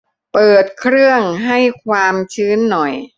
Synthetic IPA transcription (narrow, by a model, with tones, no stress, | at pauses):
pɤː˨˩t̪̚kʰɾɯ˥˩əŋɦa˥˩jkʰwaː˧mt͡ɕʰɯː˦˥nːɔ˨˩j